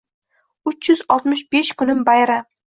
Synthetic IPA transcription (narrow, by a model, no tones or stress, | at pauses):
ʊt͡ʃjʏzɒlˠt̪mɪʃbeʃkʰʊnɪmbajɾa